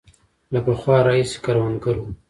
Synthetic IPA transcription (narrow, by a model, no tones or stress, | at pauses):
lapaxwɑɾaise̥kaɾwanɡaɾu